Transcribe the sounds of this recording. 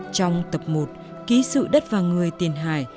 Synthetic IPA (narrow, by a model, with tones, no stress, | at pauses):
t͡ɕɔ˧wŋ͡mt̪ə˨˩p̚mo˨˩t̚ | ki˨˦sɨ̰˧˨ɗə˦˥t̚vaː˨˩ŋɨ˨˩əjt̪i˨˩ənɦaː˨˩j